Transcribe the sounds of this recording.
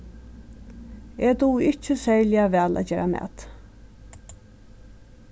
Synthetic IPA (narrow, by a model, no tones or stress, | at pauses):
et̪uɪt͡ʃəsɛɹlɪaʋæːlæ̰d͡ʒeːɾʔamæ̰ːt̪